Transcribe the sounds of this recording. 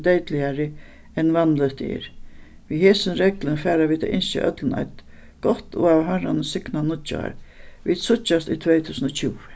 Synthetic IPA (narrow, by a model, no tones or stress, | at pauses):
d̪ejt̪lɪaɾɪ | ɛnːʋanlət̪ɪ̰ːɾʋiːheːsənɾɛklənfɛːɾaʋiːt̪a̰ʔɪnsɪ̰ʔœ̰t̪ləna̰ɪt̪ | ɡ̥ɔht̪oavɦaɹanəsɪknanʊʊ̰a̰ɾʋiːd̪sʊt͡ʃːast̪iːt̪ʰvɛjt̪ʰuːsənɔt͡ɕʰuːʋ